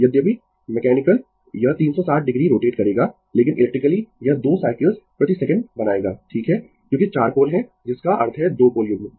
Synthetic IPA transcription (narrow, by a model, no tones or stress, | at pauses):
jɐd̪jəbʱi | mɛkɛːnɪkəl | jɐɦt̪iːnsɔsaːʈ̚ʰɖɪɡɾiɾoːʈeːʈkɐɾeːɡaː | leːkɪnʔɪ̰lɛkʈɾɪkəlijɐɦd̪oːsaːɪkləlzpɾɐt̪isɛkə̃ɳɖbɐnaːeːɡaːʈʰiːkɦɛ | kjõːkit͡ʃaːɾkoːlɦɛ̃ | d͡ʒɪskaʔɐɾt̪ʰɦɛd̪oːkoːljʊɡn